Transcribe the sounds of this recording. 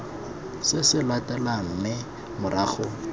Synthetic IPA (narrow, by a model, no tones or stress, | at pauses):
sɪsɪlatʼalam̩mɪ | mʊɾaːχʊ